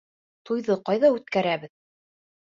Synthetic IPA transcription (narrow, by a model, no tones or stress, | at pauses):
t̪ujðɤqɑjðɑʉt̪kæɾæβɘð